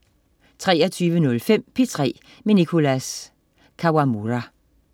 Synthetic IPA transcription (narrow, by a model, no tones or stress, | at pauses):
t͡sʰʁɛːɐt͡sʰyːʋənɔ̽lfem̰pʰe̝t͡sʰʁɛ̰ː | menikʰo̝læs | kʰɑwamuʁa